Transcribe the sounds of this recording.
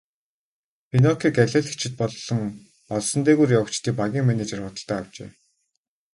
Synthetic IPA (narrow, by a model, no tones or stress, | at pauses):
pʰinɔkʰikæɮʲeːɮt͡ɕʰɪ̆t̪̚pɔɮːɞ̆ŋ | pɔɮsɞ̆nt̪eːɣuːrjawə̆kt͡ɕt̪iːk̚paɣʲiːŋmænet͡ɕĕrʊt̪ə̆ɮt̪æːaw̥t͡ɕḛː